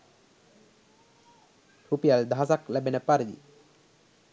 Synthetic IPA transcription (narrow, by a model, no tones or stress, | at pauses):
rupijald̪ʱaɦːsaklɛbenəpaɾid̪ḭ